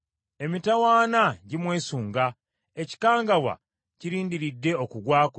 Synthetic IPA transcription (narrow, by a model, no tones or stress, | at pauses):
e̞mitawaːnaɟimwe̞ːsuːŋɡa | e̞ci̥kaːŋɡawa̰ | ciɾiːndiɾidːe̞o̞kuɡwaːko